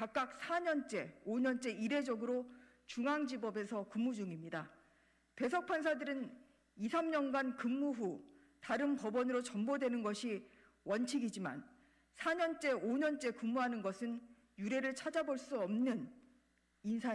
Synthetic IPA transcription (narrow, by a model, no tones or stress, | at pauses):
kak̚k͈ak̚sʰaɲʌnt͡ɕ͈e̞oɲʌnt͡ɕ͈e̞iɾe̞d͡ʑʌɡɯɾo | t͡ɕuŋaŋd͡ʑibʌbe̞sʰʌkɯmːud͡ʑuŋimɲida | pe̞sʰʌk̚pʰans̬ʰadɯɾɯn | isʰamɲʌnɡankɯmːuɦu | taɾɯnpʌbʌnɯɾot͡ɕʌmbodwe̞nɯnɡʌɕʰi | wʌnt͡ɕʰiɡid͡ʑima̰n | sʰaɲʌnt͡ɕ͈e̞oɲʌnt͡ɕ͈e̞kɯmːuɦanɯnɡʌsʰɯn | juɾe̞ɾɯɭt͡ɕʰad͡ʑaboɭs͈uʌmnɯn | insʰa